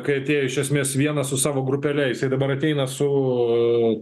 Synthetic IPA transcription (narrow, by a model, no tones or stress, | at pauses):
kɐɪɐt̪ʲeːjoɪʃʲɛsʲmʲeːsʋʲiɛnɐsʊsɑːʋoːɡɾʊpʲɛlʲɛjɪsɐɪd̪ɐbɐɾɐt̪ʲɛɪnɐsʊ